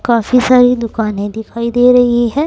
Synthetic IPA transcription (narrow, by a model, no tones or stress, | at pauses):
kaːfisaːɾid̪ʊkaːnẽd̪ɪkʰaːid̪eːɾɐɦiɦɛ̃ː